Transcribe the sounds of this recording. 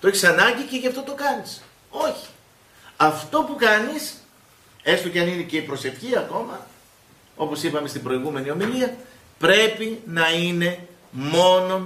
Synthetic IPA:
t̪o̞e̞çi̥sɐnɐɲɟice̞ʝɐft̪o̞t̪o̞kɐnis | o̞çi̥ | ɐft̪o̞pukɐnis | e̞st̪ocɐninece̞ipɾo̞se̞fçiɐko̞mɐ | o̞po̞sipɐme̞st̪ibɾo̞iɣume̞nio̞miliɐ | pɾe̞pinɐine̞ | mo̞no̞

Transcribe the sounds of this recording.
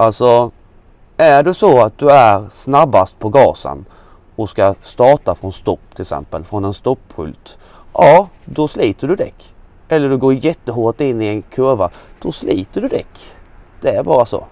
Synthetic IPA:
ʔalsɔ | æɖɵsɔat̪̚d̪ɵæɾsnabːast̪̚pʰɔɡɑːsə̰n | ɔskast̪ɑːʈafɾɔnst̪ɔpːt̪ʰɪlksɛ̰mpəlfɾɔnɛnst̪ɔpːhɵ̰lt̪ | ʔɑːd̪ɔsliːt̪əɖɵd̪ɛkː | ʔɛlːəɖɵɡoːɾjɛt̪ːəɦoːʈɪnːɪɛnkʰœɾvad̪̥ɔsliːt̪əɖɵd̪ɛ̰kːd̪̥ɛæɾbɑːɾaso̰ː

